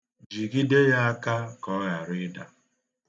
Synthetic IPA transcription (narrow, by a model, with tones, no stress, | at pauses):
d͡ʒi˨ɡi˦de˦ja˦a˦ka˦kɔ˦ɣa˨ɾʊ˦ɪ˦da˦